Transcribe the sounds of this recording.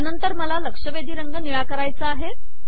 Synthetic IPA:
anənt̪əɾməlaləkʂəʋed̪ʱiːɾəŋɡəniɭakəɾajt͡səaɦe

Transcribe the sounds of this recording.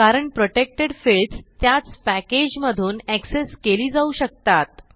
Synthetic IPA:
kaɾəɳpɾoʈek̚ʈeɽfeɭst̪jat͡spæked͡ʑməd̪ʱuːnækseskeliːd͡zauːɕək̚t̪at̪

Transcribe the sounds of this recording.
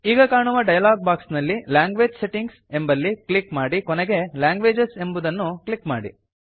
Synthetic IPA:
iːɡɐkaːɳuʋɐɖɐjɐlaːɡ̚baːksnɐlːilaːŋɡʋe̞ːd͡ʒse̞ʈiŋɡse̞mbɐlːiklikmaːɽikoneɡe̞laːŋɡʋe̞ːd͡ʒese̞mbud̪ɐnːukɭikma̰ːɽḭ

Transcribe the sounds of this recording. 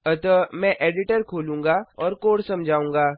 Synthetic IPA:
ɐt̪ɔmɛ̃ʔeːɖɪʈəɾkʰoːlũːŋɡaːɔːɾkoːɽsɐmd͡ʒʱaːũːŋɡaː

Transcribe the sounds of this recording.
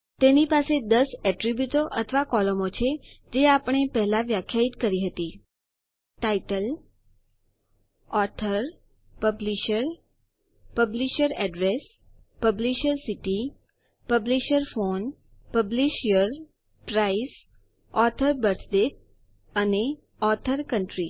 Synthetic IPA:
t̪enipased̪əsɛʈɾibjut̪oʔət̪ʰʋakɔləmot͡ʃʰed͡ʒeapəɳ̃epɛɦlaʋjakʰjait̪kəɾiɦət̪i | ʈaiʈəl | ɔɾt̪ʰəɾ | pəbliʃəɾ | pəbliʃəɾɛɖɾes | pəbliʃəɾsiʈi | pəbliʃəɾfon | pəbliʃijəɾ | pɾais | ɔt̪ʰəɾbəɾtd̪et̪̚ | əne | ɔt̪ʰəɾkəɳʈɾi

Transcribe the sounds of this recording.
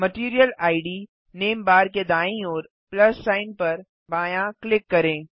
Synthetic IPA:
mɐʈiːɾijəlaːɪɖiː | neːmbaːɾked̪aːĩɔːɾ | plɐsːaːɪnpɐɾ | baːjãklɪkːɐɾẽː

